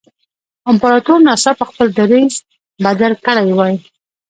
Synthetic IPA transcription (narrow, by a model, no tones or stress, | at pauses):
ɪmpaɾat̪uɾnɑsapəxpəld̪aɾiz | bad̪alkəɽajwɑji